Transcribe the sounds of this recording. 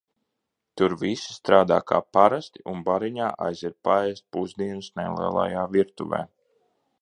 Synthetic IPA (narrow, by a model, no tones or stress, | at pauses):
t̪uɾvisi̥st̪ɾaːd̪aːkʰa̰ːpaɾast̪iʔunbaɾiɲaːʔa̰jziɾpaɛːst̪̚puzd̪iɛnusnɛlˠḭɛlˠa̰jaːviɾt̪ṵvɛ̰ː